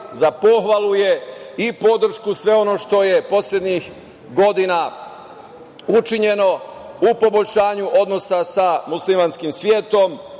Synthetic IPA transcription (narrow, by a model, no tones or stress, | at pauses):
zapo̞xʋalˠuje̞ipo̞d̪r̩ʃkusʋe̞o̞no̞ːʃt̪o̞je̞po̞sʎʲe̞d̪ɲix | ɡo̞d̪ina | ut͡ʃiɲe̞no̞upo̞bo̞ʎʲʃaːɲuʔo̞d̪no̞sasamuslimanskimsʋje̞ːt̪o̞m